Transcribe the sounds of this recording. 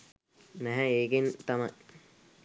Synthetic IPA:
næɦɛeːkent̪amɐj

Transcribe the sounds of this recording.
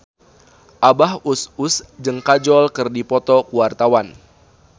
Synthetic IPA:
ʔabaɦususd͡ʒəŋkad͡ʒɔlkɨrdipɔt̪ɔkuwart̪awan

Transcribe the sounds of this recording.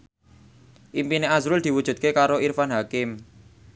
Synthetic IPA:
ʔimpineazɾʊld̪̥i̤wud̥ʒ̥ṳd̪̚kekaɾoʔirfanɦakɪm

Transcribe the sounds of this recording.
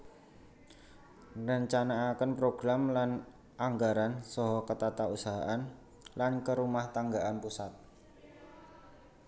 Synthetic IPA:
rəɲt͡ʃanaːkənpɾoɡ̥ɾamlan | aŋɡaɾansɔɦɔkət̪at̪ausaɦaʔan | lankəɾumaht̪aŋɡaʔanpusat̪̚

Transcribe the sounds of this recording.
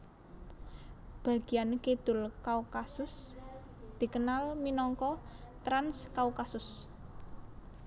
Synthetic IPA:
b̥a̤ɡ̥i̤janked̪̥ʊ̤lkaukasʊs | d̪̥i̤kənalminɔŋkɔt̪ɾanskaukasʊs

